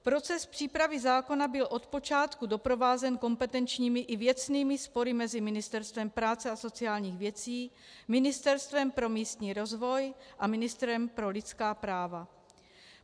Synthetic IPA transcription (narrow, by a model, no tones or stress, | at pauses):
pɾo̞t͡sɛspr̥iːpɾavɪzaːko̞nabɪlʔo̞t̪po̞t͡ʃaːt̪kudo̞pɾo̞vaːzɛnko̞mpɛt̪ɛnt͡ʃɲiːmɪʔɪvjɛt͡sniːmɪspo̞ɾɪmɛzɪmɪnɪst̪ɛɾst̪vɛmpɾaːt͡sɛaso̞t͡siaːlɲiːɣvjɛt͡siː | mɪnɪst̪ɛɾst̪vɛmpɾo̞miːst̪ɲiːɾo̞zvo̞jʔamɪnɪst̪ɾɛmpɾo̞lɪt͡skaːpɾaːva